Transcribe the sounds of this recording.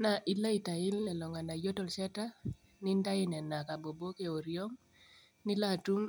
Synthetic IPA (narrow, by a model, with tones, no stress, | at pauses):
na˨ʔi˦la˦i˨ta˨ɪ˦lnɛ˨lɔ˨ŋa˨na˨jo˦tɔ˨lsɛ˦ta˦ | ni˦nda˦i˦nɛ˨na˨ka˨bo˨bo˦ke˨o˨ɾjo˦ŋ | ni˦la˦˨tu˦m